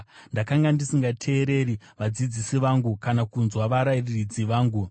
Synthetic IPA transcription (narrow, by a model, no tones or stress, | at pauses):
ndakaŋɡandisiŋɡatʰe̞ːɾe̞ɾi | ʋad͡zid͡zisiʋaŋɡukanakunzwaʋaɾairirid͡ziʋaːŋɡu